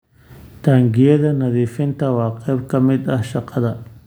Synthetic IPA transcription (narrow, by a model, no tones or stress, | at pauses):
t̪aŋɡɪjɐðɐnɐðiːfɪnt̪ɐwɑːqɛːb̚kɐmɪd̪ahʃɑqɑðɐ